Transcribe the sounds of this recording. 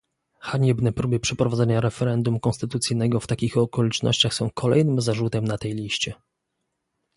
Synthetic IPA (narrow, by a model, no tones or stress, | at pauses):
xaɲɛbnɛpɾubɘpʂɛpɾɔvad̪zɛɲaɾɛfɛɾɛnd̪umkɔ̃nst̪ɘt̪ut̪sɘjnɛɡɔft̪akʲixɔkɔlʲit͡ʂnɔ̰ɕt͡ɕaxsɔ̃w̃kʰɔlɛ̰jnɘmzaʐut̪ɛmnat̪ɛjlʲiɕt͡ɕɛ